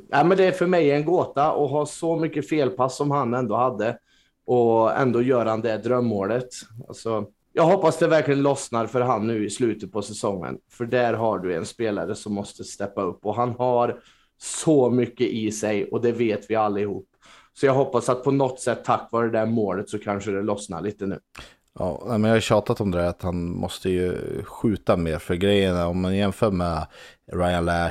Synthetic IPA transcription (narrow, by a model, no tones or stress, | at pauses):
næːmɛnd̪ɛːɾfœɾmɛjɛnɡoːt̪aʔɔɦɑːsɔmʏkːəfeːlpʰasːɔmhanɛnd̪oːhad̪ːə | ʔɔɛ̰nd̪oːjœːɾahand̪ɛɖ̪d̪ɾœmːoːlət̪a̰lsɔ | jɑːɡɦɔpːasd̪ɛvæɾklɪɡənlɔsnaɾfœɾɦanːʉ̟ːɪslʉ̟ːt̪ət̪̚pʰɔsɛsɔŋːə̰nfœɖæɾɦaɖɵɛ̰nspeːla̰ɾəsɔmːɔst̪əst̪ɛpːaɵpːɔɦanhaɾ | sɔmʏkːəʔɪsɛjɔd̪ɛveːt̪vɪalːɪhuːpː | sɔjɑːɡɦɔpːasat̪̚pʰɔnɔt̪ːsɛt̪ʰːakːvɑːɾəd̪æɾmoːlət̪sɔkʰanʂəd̪ɛlɔsna̰ɭiːt̪ənʉ̟ː | ʔɑ̰ːnæɪmɛnjaːhaɕɑːt̪at̪ɔmd̪ɛæɾat̪hanmɔ̰st̪əjɵ̰ɧʉ̟ːt̪ameːɾfœɾɡɾɛjːənaɔmːanjɛnfœːɾmɛɾaɪanlæ